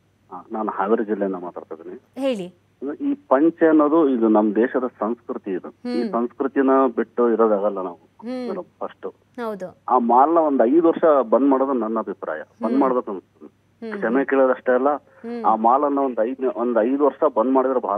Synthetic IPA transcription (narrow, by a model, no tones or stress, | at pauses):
ɦaːnaːnuhaːʋiɾd͡ʒilːejɐnːɐmaːt̪a̰ːɽt̪ajd̪iːniɦeːɭi | iːpɐɲt͡ʃɛɐnːoːd̪uid̪unɐmːɐd̪ɛːʃɐd̪ɐsɐw̃skɾut̪iːd̪uiːsɐw̃skɾut̪inɐbiʈːuiɾoːd̪aːɡɐlːɐnaːʋuɐupʰɐʂʈu | ɐwd̪uaːmaːlɐnɐond̪ɐjd̪uʋɐɾʂɐbɐnːmaːɽoːd̪unɐnːɐbʱipɾa̰ːjɐ̰bɐnːmaːɽbeːkɐnɐst̪ɐni | kʂɐmekeːɭod̪ɐʂʈeːlːɐ | aːmaːlɐnːɐond̪ɐjd̪nond̪ɐjd̪uʋɐɾʂɐbɐnmaːɽid̪ɐɾɐbʱa̰ː